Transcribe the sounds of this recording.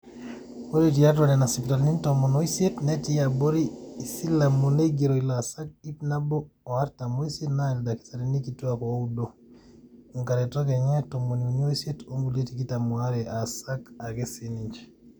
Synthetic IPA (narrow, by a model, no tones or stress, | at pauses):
oɾitijatwanɛnasipitalnintomonoisetnetiaboɾiːsilːamuneɡeɾoilasak̚ipnabo | oaɾtamoisetnaɛldaki̥saɾinikituakoudo | uŋkaɾɛtokeɲɛtomoniunoisetoŋɡuletikitamuaɾɛʔasakaɡesiniɲd͡ʒ